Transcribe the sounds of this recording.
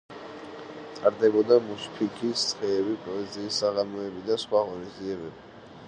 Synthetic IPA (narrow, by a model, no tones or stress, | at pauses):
t̪ʼaɾd̪ɛbɔd̪amuspʰikʰʼist̪sʰʼχɛːbipʼɔɛziːsːaʁamɔɛbid̪asχwaʁɔnisd̪ziɛbɛbi